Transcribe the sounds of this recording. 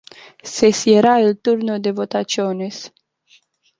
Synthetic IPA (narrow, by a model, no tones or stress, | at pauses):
sesjeɾailt̪uɾnod̪evot̪at͡ʃiones